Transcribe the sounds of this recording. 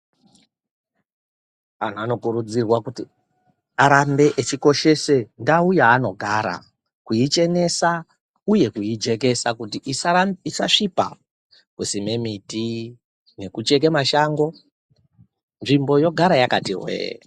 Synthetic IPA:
an̤uano̞kuɾud͡zirwakuti | aɾambe̞ʔet͡ʃiko̞ʃe̞se̞ndaujaːno̞ɡʱaɾa̰ | kuit͡ʃe̞ne̞sa | uje̞kuid͡ʒe̞k̬e̞sakutiʔisisa̰ʂipa̰ | kusime̞miti | ne̞kut͡ʃe̞k̬emaʃaŋɡo̞ | nʐimbo̞jo̞ɡʱaɾajakatirwḛjḛ

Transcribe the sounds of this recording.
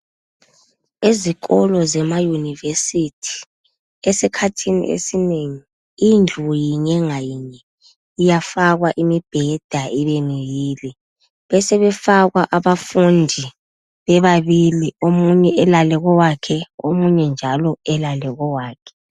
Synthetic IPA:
iziɣɔlɔzɛmajunivesitʰi̥ | ɛsɛkʰatʰinḭʔḛsineŋi | ind͡ɮʱujiɲɛŋajiɲɛː | jafaɣwaʔimib̥ʱɛd̥ʱaiβenijiːli | βɛsɛβɛfaɣwaʔaβafundʱi | βɛβaβiliomuɲɛʔɛlalɛɣɔwakʰɛomuɲɛnd͡ʒʱalɔɛlalɛɣɔwaːkʰɛ̥

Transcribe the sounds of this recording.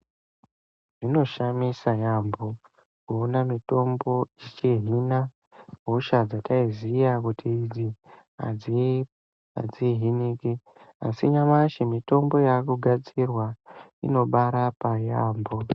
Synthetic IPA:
ʐ̥ino̞ʃamisajambo | kuonamito̞mbo̞it͡ʃiɦina | ɦuʃad͡zataizijakutʰiːd͡zi | a̰d͡z | a̰d͡ziɦiniki | a̰siɲamaʃimito̞mbo̞jakuɡʱad͡zirwaḭno̞ɓaɾapajaːmbo

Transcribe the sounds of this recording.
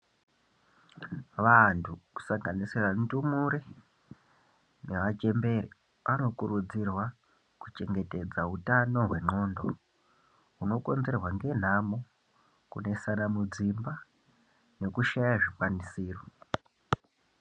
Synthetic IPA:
ʋantʰuku̥saŋɡaniserantumuɾe | neʋat͡ʃe̞mbe̞ɾe | ʋʔano̞kurud͡zirwa | kut͡ʃe̞ŋɡe̞te̞d͡zautano̞ɦwe̞ŋ͡ǃo̞ːndo̞ | uno̞ko̞nd͡ze̞rwaŋɡe̞n̤amo | kune̞sanamud͡zimba | ne̞kuʃajaʐikwanisiːro

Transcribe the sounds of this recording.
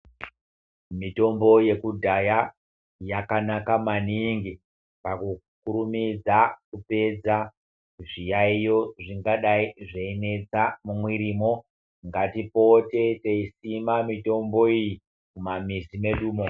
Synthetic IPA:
mito̞mbo̞je̞kudʱaja | jakanakamaniŋɡi | paku | kuɾumid͡zakupe̞d͡za | ʐijaijo̞ʐiŋɡaɗaiʐeine̞t͡samumwiɾiːmo̞ | ŋɡatipo̞te̞teisimamito̞mbo̞iji | kumamisime̞ɗuːmo̞

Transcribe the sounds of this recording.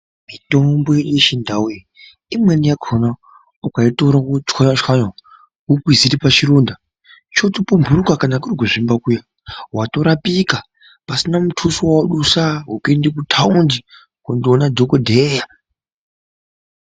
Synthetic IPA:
mito̞mbo̞jeujeʃindawe | imwenijakʰona | ukaitoɾakut͡ʃkaat͡ʃwaɲa | ukwiziɾipat͡ʃiɾuːnda | t͡ʃo̞tipumbʱuɾukakanakuriɡʱoʐimbakuja | wato̞ɾapika | pasinamutʰusuwaɗusaɦukendikutʰaundi | kundionadʱokodʱeja

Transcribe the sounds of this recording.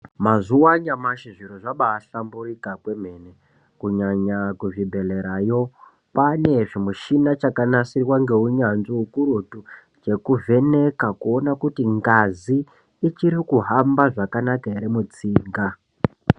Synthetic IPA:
mazuwaɲamaʃiʐiɾoʐaɓaːɬamburikakwe̞m̤ene | kuɲaɲakuvibʱe̞le̞ɾajo̞ | pane̞ʐimuʃinat͡ʃakanasirwaŋɡe̞uɲanʐiukuɾutu | d͡ʒe̞kuvʱe̞ne̞kakuo̞nakutiŋɡaziː | t͡ʃiɾikuɦambaʐakanakaeɾemut͡siːŋɡa

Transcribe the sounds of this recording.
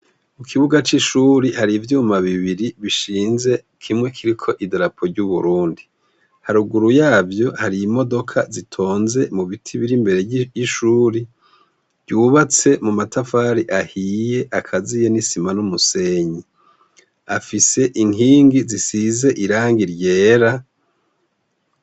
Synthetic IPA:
mukʰiβuɡat͡ʃiʃuɾihaɾivjuːmaβiβiɾiβiʃiːnze̞ | kʰimŋe̞kʰiɾikʰo̞ʔidɾapʰo̞ɾɟuβuɾuːndi | haɾuɡuɾujaːvjo̞haɾiːmo̞do̞kʰazitʰo̞ːnze̞muβitʰiβiɾimbe̞ɾe̞jiʃuːɾi̥ | ɟuːβat͡se̞mumatafaɾiʔahije̞ʔakʰazijenisimanumuse̞ɲi | afise̞ʔiŋiːŋɡizisize̞ʔiɾaːŋɡiɾje̞ːɾa

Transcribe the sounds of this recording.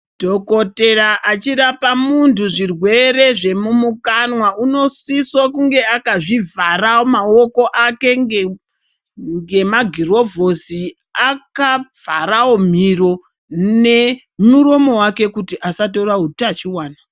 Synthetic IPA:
dʱo̞ko̞te̞raʔat͡ʃirapamuntuʐirwe̞re̞ʐe̞mumukanwauno̞siswakuŋɡe̞akaʐivarawomaoko̞ʔake̞ | ŋɡe̞maɡʱiro̞vʱo̞si | akab͡vʱaɾawom̤iro̞ | ne | muɾo̞mo̞wake̞kutiʔasat̬o̞raɦutat͡ʃiwaːna

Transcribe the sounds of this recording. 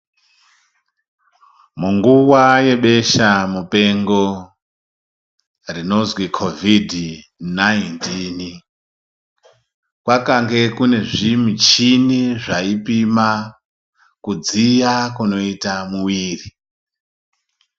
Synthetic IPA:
muŋɡuwaje̞ɓe̞ʃamupe̞ŋɡo̞ | rino̞zwikʰo̞vʱidʱ | najntini | kwakaŋɡe̞kune̞ʐimit͡ʃiniʐaipima | kud͡zijakuno̞itamuwiːri

